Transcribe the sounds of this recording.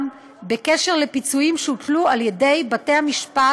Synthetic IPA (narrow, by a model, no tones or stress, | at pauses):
m | be̞keʃe̞ʁle̞pit͡suimʃeutlualjede̞jbate̞hamiʃpa